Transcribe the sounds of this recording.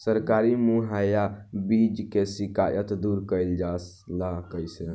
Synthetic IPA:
səɾkaɾimuɦajabid͡ʒkesikajət̪d̪uɾkəjld͡ʒas | lakəjsə

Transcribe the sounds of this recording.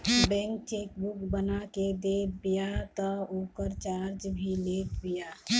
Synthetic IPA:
bɛ̃ŋk̚t͡ʃeːkbukbənaked̪ebijat̪ɔokəɾt͡ʃaːɾd͡ʒbʱilekbija

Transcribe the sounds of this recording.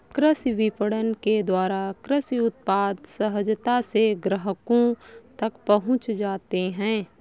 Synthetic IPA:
kɾɪsʋɪpəɽənked̪waːɾakɾəsʊt̪̚paːd̪səɦəd͡ʒt̪aseɡɾəɦəkõt̪ɐkpəɦʊ̃t͡ʃd͡ʒaːt̪eɦɛ̃ː

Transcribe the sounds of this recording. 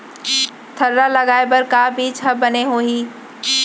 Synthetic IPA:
t̪ʰɐɾːalɐɡaːebɐɾkaːbiːt͡ʃʰɐbbɐneɦoːɦiː

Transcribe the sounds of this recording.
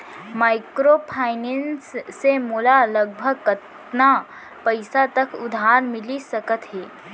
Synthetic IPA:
maːɪkɾopʰaːɪnensːemoːlaləɡ̚bʱəɡ̚kət̪ | na | pəɪsat̪əkʊd̪ʱaːɾmɪlisəkət̪ɦɛː

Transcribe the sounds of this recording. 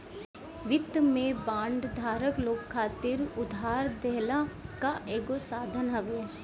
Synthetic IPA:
ʋɪt̪mẽbãːɳɖd̪ʱaːɾəkloːkʰkʰːaːt̪ɪɾʊd̪ʱɦaːɾd̪ɛɦlakaʔeːɡosaːd̪ʱənɦɐʋeː

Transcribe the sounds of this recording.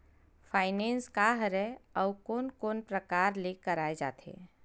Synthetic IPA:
fʰaːɪnẽːnskaːɦɾɛɔwkoːnkoːnpɾəkaːɾlekəɾaːed͡ʒa̰ːt̪ʰḛː

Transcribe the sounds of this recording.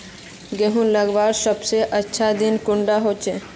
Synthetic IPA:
ɡeɦũnləɡbaɾʃɔbt͡ʃeʔətːʃʰad̪inkuɳɖaɦot͡ʃʰe

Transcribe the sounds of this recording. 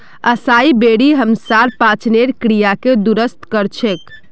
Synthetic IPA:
əsaibeɽiɦəmsaɾpãt͡ʃneɾkɾijaked̪uɾəst̪kəɾt͡ʃʰek

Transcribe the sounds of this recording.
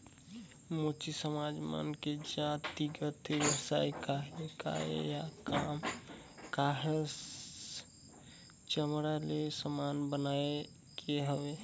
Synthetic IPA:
moːt͡ʃisəmaːd͡ʒmə̰nked͡ʒãːt̪iɡət̪iʋjəsaːikaɦeka̰ḛjakaːm | kaːɦe | t͡ʃəmɾalesəmaːnbənaːe | keɦəʋe

